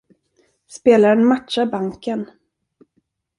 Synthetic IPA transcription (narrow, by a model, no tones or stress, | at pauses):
speːlaɾənmat̪ʃabaŋkən